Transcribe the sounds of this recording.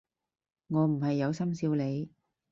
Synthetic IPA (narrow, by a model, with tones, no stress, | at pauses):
ŋɔː˨˧m̩˨˩ɦɐ˨jːɐ˨˧wsɐ˥msiː˧wle˨˧j